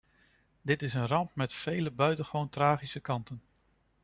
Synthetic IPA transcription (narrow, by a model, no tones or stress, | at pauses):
dɪtɪsənrɑmpmɛtfejləbœɥtəχʋowntraːχisəkɑntən